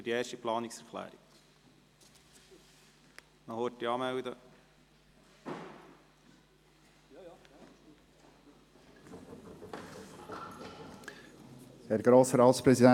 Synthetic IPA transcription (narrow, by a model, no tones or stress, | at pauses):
dieːɾʃtiplɑːnɪksɛɾkʰlæ̰ːɾik | nɔhoːtːiɑːmæwd̪ə | hɛɾɡɾoːsəɾɑːtspɾɛsid̪æ